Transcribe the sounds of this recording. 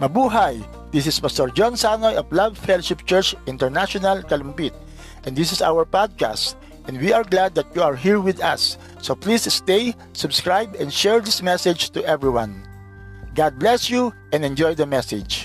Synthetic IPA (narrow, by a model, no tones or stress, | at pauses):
mɐbuɦaj | d̪̥is̬ɪspast̪ɔɹd͡ʒɔ̃nsanɔjɔflavfɛloʃɪp̚t͡ʃɛɹt͡ʃʔɪ̃nt̪ɛɹnaʃɔnalkalɔ̃mpit̪̚ | ʔɛ̃nd̪ɪs̬ɪsa̰wɛɹpad̪̚ka̰st̪ | ʔɛ̃ndwiaɹɡlad̪̚ːɐt̪̚juaɹɦiɹwɪd̪a̰sː | oplisst̪ej | sʊbskɹajbɛ̃nd̪ʃɛɹd̪ismɛsɛd͡ʒt̪ʊʔɛvɹiwãn | ɡad̪̚blɛsjuʔɛ̃nɛ̃nd͡ʒɔjd̪ɐmɛsɪd͡ʒ